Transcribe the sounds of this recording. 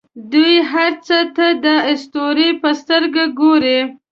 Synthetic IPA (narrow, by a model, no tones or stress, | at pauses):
d̪ujɦaɾt͡sət̪ad̪əɪst̪oɾipəst̪əɾɡaɡoɾi